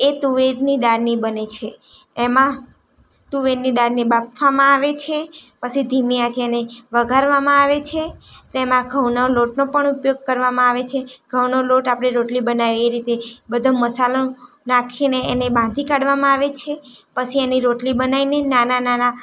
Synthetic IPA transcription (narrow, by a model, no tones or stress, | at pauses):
et̪uʋed̪nid̪aɾnibənet͡ʃʰeː | mã | t̪uʋed̪nid̪aɾnebap̚ʰʋamãaʋet͡ʃʰepət͡ʃʰid̪ʱimiãt͡ʃeneʋəɡʱaɾʋamãaʋet͡ʃʰet̪emãɡʱəwnoloʈnopəɳupjoɡ̚kəɾʋamãaʋet͡ʃʰeɡ̥ʱəwnoloʈapɽ̃eɾoʈlibənaʋeeɾit̪ebəd̪ʱoməsalo | nakʰineenebãnd̪ʱikaɽʋamãaʋet͡ʃʰepət͡ʃʰieniɾoʈlibənainenananana